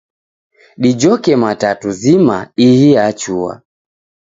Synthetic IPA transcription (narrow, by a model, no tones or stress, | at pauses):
ɗid͡ʒɔkɛmatatuzima̰ihiat͡ʃua̰